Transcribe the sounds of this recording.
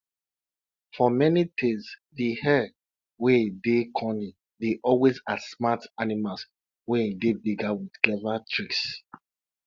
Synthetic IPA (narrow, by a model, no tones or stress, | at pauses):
fɔmɛnitʰesðihɛ | wedekʰɔni | deʔɔlwezadsmatanimals | wɛdebiɡawið̥klɛvatʰɹiks